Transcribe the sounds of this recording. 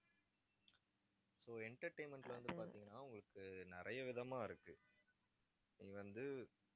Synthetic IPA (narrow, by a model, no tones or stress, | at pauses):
soːɛɳʈɐɾʈeɪnmɛɳʈlɐʋɐnd̪ɯpaːɾt̪iːŋɡɐnːaːʊŋɡɐɭɯkːɯnɪɾɐjɐʋɪðɐmaːɪɾɯkːɯ | niːʋɐnd̪ɯ